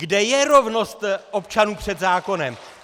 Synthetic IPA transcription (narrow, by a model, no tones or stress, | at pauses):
ɡdɛjɛɾo̞vno̞st̪ʔo̞pt͡ʃanuːpr̝̥ɛd̪zaːko̞nɛm